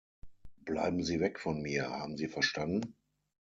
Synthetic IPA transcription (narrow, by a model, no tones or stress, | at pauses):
b̥la̰ɪbm̩ziːvɛkfɔnmiːɐha̰ːbm̩ziːfɛɐʃtandn̩